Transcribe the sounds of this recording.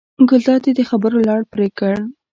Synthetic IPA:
ɡʊlt̪ɑd̪ed̪əxabəɾolɑɽpɾekəɽ

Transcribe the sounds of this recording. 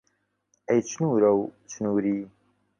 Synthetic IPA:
ejt͡ʃnuːɾɐwt͡ʃʰnuːɾiː

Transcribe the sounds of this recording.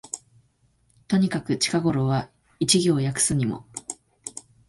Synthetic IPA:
t̪o̞ɲ̟ikakɯ̟t͡ɕi̥kaɡo̞ɾo̞βa | it͡ɕiɡʲo̞ːjakɯ̟̥sɨɲ̟imo̞̰

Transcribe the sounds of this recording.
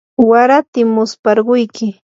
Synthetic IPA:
waɾat̪ɪmːʊspɑɾɢʊjkʰɪ

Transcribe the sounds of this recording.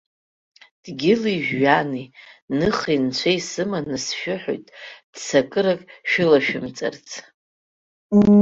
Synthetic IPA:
d̥ɡʲɪliʒᶣːaninɨχint͡ɕʷʰejsɨmanɨsʃᶣɪħo̰jtʼd̥sakʼɨɾakʼʃᶣɪlaʃᶣɪmt͡sʼa̰rt͡sʰʼ

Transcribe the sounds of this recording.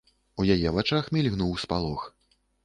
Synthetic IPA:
ujajɛvat͡ʂaxmʲilʲɣnuwspalˠɔx

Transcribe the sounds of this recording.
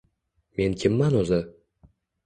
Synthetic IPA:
menkʲemːɑnozə̆

